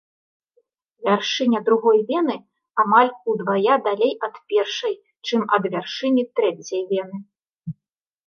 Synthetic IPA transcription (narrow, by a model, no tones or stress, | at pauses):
vʲarʂɨnʲɐd̪ɾuɣɔjvʲɛnɨ | amalʲud̪vajad̪alʲejʔɐt̪pʲɛrʂɐj | t͡ʂɨmɐ̰d̪vʲarʂɨnʲit̪ɾɛt͡sʲɐjvʲɛnɨ